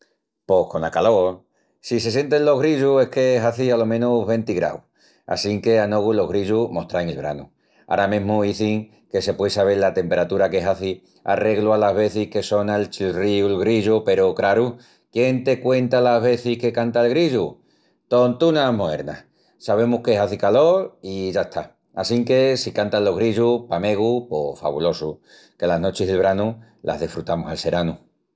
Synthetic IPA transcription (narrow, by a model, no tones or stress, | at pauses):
po̞hko̞nakalo̞ | sise̞s̬je̞nt̪enlo̞ɦɣɾiʝuehke̞ɦaθialo̞mẽnuɦβe̞nt̪iɣɾa̰w | a̰siŋke̞ano̞ɣulo̞ɦɣɾiʎumo̞ht̪ɾaŋelβ̞ɾa̰nṵ | a̰ɾamẽɦmuiθiŋ | ke̞se̞pwejsaβ̞e̞lat̪e̞mpe̞ɾat̪uɾakeɦaθi | a̰re̞ɣlualaɦβe̞θihke̞so̞naelt͡ʃilriulɣɾiʝupe̞ɾokɾaɾu | kje̞nt̪e̞kwe̞nt̪alazβe̞θihke̞kant̪aelɣɾiʝu | t̪o̞nt̪unamoe̞̰ɾna̰ | saβ̞e̞muhkeɦaθikalo̞ɾiʝaeht̪ʰa | asiŋke̞sikant̪alo̞ɦɣɾiʎupame̞ɣ̞upo̰fa̰βṵlo̞su | ke̞lazno̞t͡ʃeɦðelβ̞ɾanu | lʔa̰ɦð̞ihfɾut̪amosalse̞ɾanu